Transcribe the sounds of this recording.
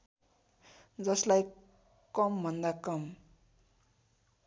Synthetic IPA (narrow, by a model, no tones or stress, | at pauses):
d͡zʌslaj | kʌmbʱʌnd̪akʌm